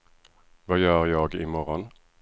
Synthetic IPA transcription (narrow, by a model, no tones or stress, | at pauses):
vajœːɾjɑːɡɪmɔɾɔn